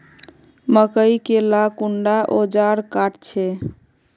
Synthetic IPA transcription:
məkəjkelakuɳɖaʔod͡ʒaɾkaʈt͡ʃʰɛ

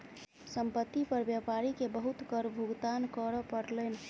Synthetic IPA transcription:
səmpət̪ːipəɾbjapaɾikebəɦut̪kəɾbʱuɡt̪ankəɾɔpəɾlɛn

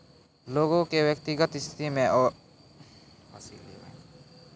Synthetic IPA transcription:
loːɡõkewjək̚t̪ɪɡət̪ɪst̪ʰɪ̥t̪imẽɔ | asl̰

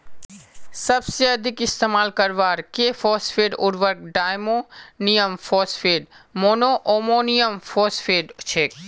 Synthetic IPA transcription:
sɐbseɐd̪ʱɪkɪst̪eːmaːlkɐɾʋaːɾkeːfɔːsfeːɖʊ̰ɾʋəɾk̚ɖaːjmoːnijəmfɔːsfeːɖmoːnoʔoːmoːnijəmfoːsfeːɖt͡ʃʰeːk

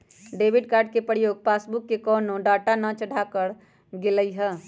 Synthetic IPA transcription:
ɖeːbɪɖkaːɾɖ̚kepəɾijoːɡ̚paːsbukːekɔːnoɖaːʈanət͡ʃəɽʱakəɾ | ɡɪləiɦɛː

